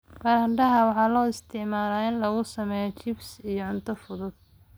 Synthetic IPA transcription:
mɐɾɐɳɖɐɦɐwɑħɑːlɔːɪst̪ʰɪʕmaːlaːɪnlɐɣʊsɐmɛːjɔt͡ʃɪbsijɔʕʊnt̪ʰɐfʊðʊd̪̥̚

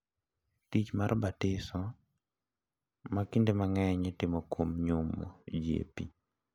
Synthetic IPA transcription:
tit͡ʃmaɾbatɪsɔ | makindemaŋɛɲɛtɪmɔkwomɲumo̰d͡ʒjḛpḭ

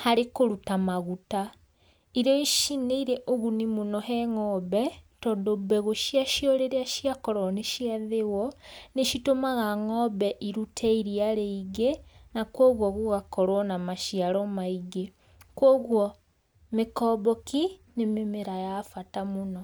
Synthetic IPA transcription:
haɾekoɾutamaɣuta | iɾɔiʃineiɾɛʔoɣunimonɔɦɛŋɔbɛtɔdobɛɣoʃiaʃjɔɾeɾeaʃiakɔɾɔneʃiaðewɔneʃitomaɣaŋɔbɛʔiɾutʰɛiɾiaɾeiɣenakwɔːɣwɔɣuɣakɔɾwɔnamaʃiaɾɔmaiɣe | kwɔɣwɔ | mekɔːbɔkinememeɾajafatamonɔ

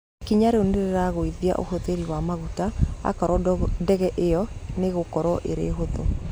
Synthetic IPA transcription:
kiɲaɾeoneɾeɾaɣoiðia̰ʔo̰hoðeɾiwamaɣutaa̰kaɾɔdɛɣɛʔejɔneɣokɔɾɔʔeɾḛːɦoðo

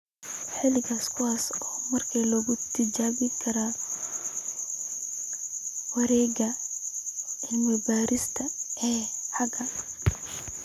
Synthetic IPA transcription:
ħɪlɪɣaskʰʊwaːsɔːmɐrkʰiːlɔːɣʊt̪ʰɪd͡ʒaːβɪkʰɐɾaː | wɐɾɛːɡɐ | ɪlmɛbaːɾɪst̪ʰɐɛːħɑɡɐ

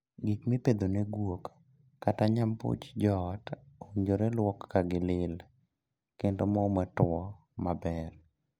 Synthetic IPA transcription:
ɡikmiped̪oneɡwokː | ataɲampo̰t͡ʃd͡ʒɔtoɲd͡ʒoɾɛlwɔkːaɡɪlɪl | kendomɔmɛtɔ | mabɛr

